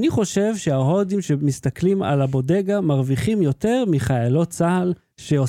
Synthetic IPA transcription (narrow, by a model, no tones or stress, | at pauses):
niχo̞ʃe̞vʃeaɦo̞dimʃemist̪aklima̰labo̞de̞ɡamaʁviχimjo̞te̞ʁmiχajalo̞t͡sahal | ʃeo